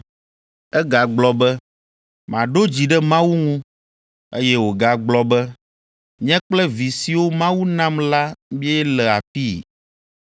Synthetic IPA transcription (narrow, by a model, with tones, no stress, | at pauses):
ɛ˦ɡa˨ɡ͡blɔ˨bɛ˦ | m˨ã˨ɖo˦d͡ʑi˨ɖɛ˦mã˦wu˦ŋũ˦ | e˦jɛ˦wo˨ɡa˨ɡ͡blɔ˦bɛ˦ | ɲɛ̃˦k͡plɛ˦vi˨si˨wo˦mã˦wu˦nã˦mla˦mĩ˦ɛ˦ɛ˦lɛ˨a˨fi˦˨